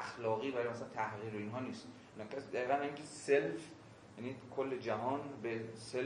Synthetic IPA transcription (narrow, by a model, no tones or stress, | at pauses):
æxlɒːɣiːvæɾɔjmæslænt̪ʰæhɣiːɾoinɦɒːniːst̪ | nkʰæsid̪æɣiːɣæniŋkʰeself | jæniːkʰolːe̞d͡ʒæɦɒːnbesel